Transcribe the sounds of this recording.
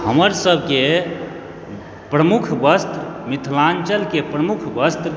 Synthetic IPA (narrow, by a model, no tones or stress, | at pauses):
həməɾsəbʱke | pɾəmukʰbəst̪mit̪ʰlant͡ʃəlkepɾəmukʰbəst̪